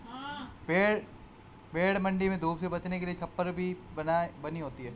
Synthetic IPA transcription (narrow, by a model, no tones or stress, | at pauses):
beːɽ | beːɽmɐ̃ɳɖimẽd̪ʱoːbsebɐt͡ʃnekeliet͡ʃʰɐpːəɾbʱinabɐniɦoːt̪iɦɛː